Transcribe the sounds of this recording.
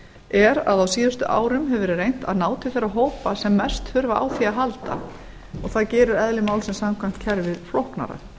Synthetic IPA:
ɛɾa̰ðawsiːðast̪ʏʔa̰ːwɾʏmɦɛvɾrejn̥t̪a̰ðnaːwt̪ʰɪ̥θeɾaɦoːwpasɛmːɛ̥st̪hʏɾvaʔa̰ːwθiaɦalt̪a̰ | ɔɣθaðcɛːɾʏɾɛðlɪmaːwlsɛmsamkʰvajm̥t̪̚cʰɛɾvɪðflohkna̰ɾa̰

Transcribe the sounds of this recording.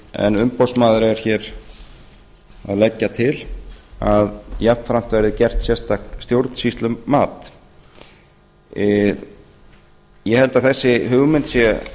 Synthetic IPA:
ɛ̰nʏmpɔwsmaːðʏɾɛɾ̥çɛːɾ | a̰ðlɛcːat̪ʰɪlaðjɛ̥nfɾam̥t̪vɛɾðɪcɛr̥t̪sjɛst̪akt̪st̪jowɾt̪n̥sist̪lʏːaːt̪ | ɪ | jɛhɛlt̪aðθɛsːɪɦʏɣmɪnt̪sjɛ

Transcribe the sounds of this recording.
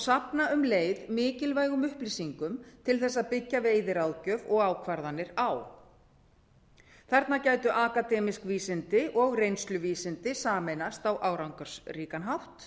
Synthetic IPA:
ɔsapnaʏmleːjðmɪːcɪlvaːjɣʏmʏhplisiŋkʏmt̪ʰɪlθɛs̬ːaðpɪcːaveːjðɪɾawðcœvɔɣaːwkʰvaɾðanːɪɾaw | θɛɾt̪nacaːjt̪ʏʔaːkat̪ɛːmiskviːsɪnt̪ɪʔɔɣrejnst̪lʏviːsɪnt̪ɪsaːmɛnast̪awʔaːwɾawŋkaɾ̥sriːkanɦawht̪

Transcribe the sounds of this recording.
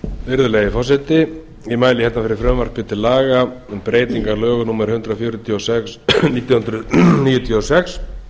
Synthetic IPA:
vɪɾðʏleːɣjɪfaːs̬ɛt̪ɪ | imaːjlɪçɛt̪nafɪɾɪɾfɾœmvar̥pʰɪt̪ʰɪlaːɣampɾeːjt̪iŋkalœːɣʏnuːmɛɾ̥hʏnt̪ɾafjɔːɾʏt̪ʰjɔsɛksniːt̪jɔhʏnt̪ɾʏniːjʏt̪ʰiɔsɛks

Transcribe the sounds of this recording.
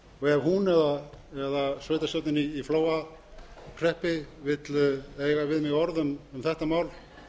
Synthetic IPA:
ɔɣɛvhunɛðaɛðasveːjt̪asjɔwt̪ɪniːfloːwa | kʰɾɛhpɪvɪt̪leːjɣavɪðmɪɣɔɾðʏmʏmθɛht̪amaːwl

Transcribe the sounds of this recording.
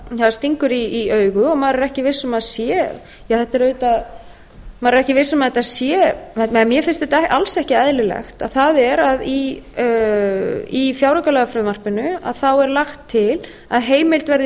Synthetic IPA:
havast̪iŋkʏɾiœːɥɣʏɔɣmaːɾɪɾɛhcɪvɪsːʏmaðsjɛ | jaθɛt̪ːaɾʏːt̪að | maɾɪɾɛhcɪvɪsʏmaðɛt̪ːasjɛɛmjɛfɪnst̪θɛht̪aalsɛhcɪɛðlɪlɛ̰xt̪a̰ðθaðɛɾaði | ifjaːwɾakalɛɣafɾʏmar̥pɪnʏa̰ðθawɛɾlaxt̪ʰːɪl | a̰ðɦeːjmɪlt̪vɛɾðɪ

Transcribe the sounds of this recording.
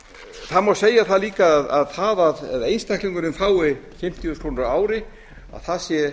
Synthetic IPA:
θaðmawseːjaθaðliːkaðaðθaðaððejnst̪ʰajhkliŋkʏnʏmfaːwɪfɪm̥t̪iʏkʰɾ̥onɾaaːwɾɪ | a̰ðθaðsjɛ

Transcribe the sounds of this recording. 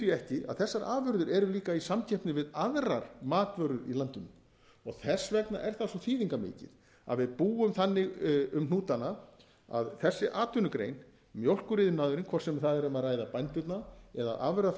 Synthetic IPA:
ɛhcɪa̰ðθɛsːaɾaːvʏɾðʏɾɛɾʏliːkaisamcʰɛhpnɪvɪðaðraɾ̥maːt̪vœɾðʏɾḭlant̪ʏnʏm | ɔɣθɛsvɛkna̰ʔɛɾ̥θasɔθiːðiŋkamɪ̰ːcɪ̰ð | a̰ðvɪðpuːʏmθanːɪɣʏmnuːt̪ana | a̰ðθɛsːɪʔaːt̪ʏnʏkɾḛjn | mjowl̥kʏɾɪːðɪnaːðʏɾɪnkʰvɔr̥sɛmθaðɛɾʏmaðraːjðapajnt̪ʏt̪naɛða̰ða̰vʏɾða

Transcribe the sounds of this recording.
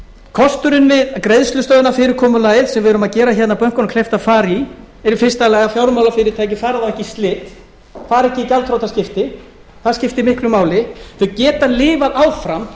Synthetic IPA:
kʰɔst̪ʏɾɪnvɪðkɾejðst̪lʏst̪œːðʏnafɪːɾɪɾkʰɔːmʏlajɪðsɛmvɪɛɾʏmaðcɛːɾaçɛt̪napœŋ̥kʏnkʰlɛjft̪aðfaːɾi | ɛɾɪfɪr̥st̪alaːɣafjawɾmawlafɪɾɪɾ̥t̪ʰaːjc̬ɪfaːɾaðawɛhcɪst̪lɪːt̪ | faːɾɛhcɪicalt̪ʰɾowt̪ascɪft̪ɪ | θaðscɪft̪ɪmɪhklʏmaːwlɪθʏcɛːt̪alɪːvaðaːwfɾam

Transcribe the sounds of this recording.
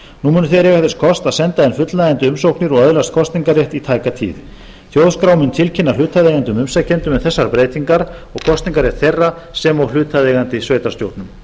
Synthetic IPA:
numʏːnʏθeɾjɛɣaθɪskʰɔst̪aðsɛnt̪aɛnfʏt̪lajant̪ʏʏmsowknɪɾɔɣœðlast̪̚kʰɔst̪niŋkaɾrjɛht̪it̪ʰaːjkat̪ʰḭːð | θjowðskɾawmʏnt̪ʰɪlcʰɪnːal̥ʏːt̪ʰaðeːɣant̪ʏmʏmsacːɛnt̪ʏmɛθɛsːaɾpɾeːjt̪iŋkaɾɔɣkʰɔst̪niŋkaɾjɛht̪θejrːa | sɛmawl̥ʏːt̪ʰaðeːɣant̪ɪsveːjt̪ḁst̪jowt̪nʏm

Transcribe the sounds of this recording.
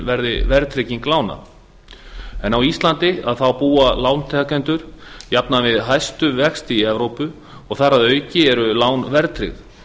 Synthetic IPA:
vɛɾðɪvɛɾt̪ʰɾɪciŋklaːwna̰ | ɛnawist̪lant̪ɪaðθawpuːalaːwnt̪ʰɛkɛnt̪ʏɾ̥japnavɪðɦajst̪ʏvɛxst̪iɛvɾowpʏ | ɔɣθaraðœːɥcɪɛɾʏlaːwnvɛɾt̪ɾɪ̰ɣð

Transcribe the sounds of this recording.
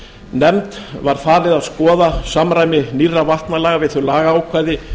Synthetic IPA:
nɛmt̪vaɾ̥faːɾɪðaðskɔːðasamɾajmɪnirːavaht̪nalɛːɣavɪðθœɥlaːɣaaːwkʰvaːjðɪ

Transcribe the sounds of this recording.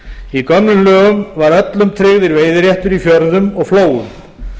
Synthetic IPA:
ikœmnʏmlœːɣʏmvaɾœt̪lʏmt̪ʰɾɪɣðɪɾveːjðɪɾjɛht̪ʏɾifjœɾðʏmɔɣfloːwʏm

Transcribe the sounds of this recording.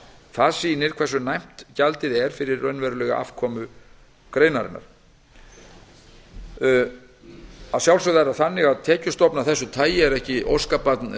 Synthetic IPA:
θaðsiːnɪɾ̥kʰvɛrsʏnajm̥t̪calt̪ɪðɛɾ̥fɪɾɪɾœnvɛɾʏlɛɣa̰ʔa̰fkʰɔːmʏ | kɾejnaɾɪ̰na̰ɾ̥ | aðsjawlsœðaɛɾaθanːɪɣaðt̪ʰɛːcʏst̪ɔpnaθɛsːʏt̪ʰaːjɪɛɾɛhcɪʔo̰wskapat̪n

